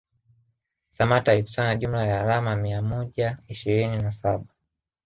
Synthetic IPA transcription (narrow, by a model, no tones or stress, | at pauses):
samataipu̥sanaʄum̩lajaːɾamamiamɔʄaiʃiɾininasaɓa